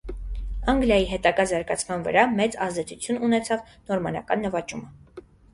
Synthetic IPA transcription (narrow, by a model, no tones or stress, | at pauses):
ɑŋɡljɑjiɦɛt̪ɑɡɑzɑɾɡɑt͡sʰmɑnvə̰ɾɑmɛt͡sɑzd̪ɛt͡sʰut͡sʰjununɛt͡sʰɑv | nɔɾmɑnɑ̰kɑnːəvɑt͡ʃumə